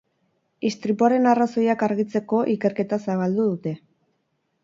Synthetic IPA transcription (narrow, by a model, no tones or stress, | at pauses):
ist̪ɾipuaɾe̞naraso̞jakaɾɣit͡se̞ko̞ʔike̞ɾke̞t̪asaβ̞ald̪uð̞ut̪e̞